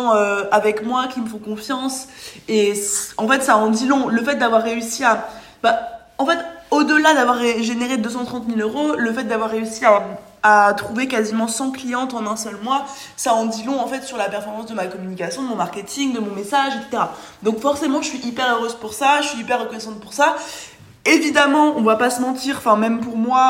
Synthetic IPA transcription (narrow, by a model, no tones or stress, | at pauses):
ɑ̃øavɛkmwakʲiməfɔ̃kɔ̃fjɑ̃seɑ̃fɛt̪saɑ̃d̪ilɔ̃ləfɛt̪̚d̪avwaʁːeysia | ba | ɑ̃fɛt̪od̪əlad̪avwaʁːeʒeneʁed̪øs̬ɑ̃t̪χɑ̃t̪miløʁoləfɛt̪̚d̪avwaʁːeysia | at̪χuvekazimɑ̃sɑ̃klijɑ̃t̪ɑ̃nɛ̃sœlmwa | saɑ̃d̪ilɔ̃ɑ̃fɛt̪syʁlapɛʁfɔʁmɑ̃sd̪əmakɔmynikʲasjɔ̃d̪əmɔ̃maʁkʲet̪ʰiŋd̪əmɔ̃mesaʒet̪se̥t̪eʁa | d̪ɔ̃kfɔʁsemɑ̃əʃɥiʔipɛʁøʁøzpuʁsaʃəʃɥiːpɛʁːəkɔnɛsɑ̃t̪̚puʁsa | evid̪amɑ̃ɔ̃vwapasəmɑ̃t̪iːʁɑ̃fɛ̃mɛmpuʁmwa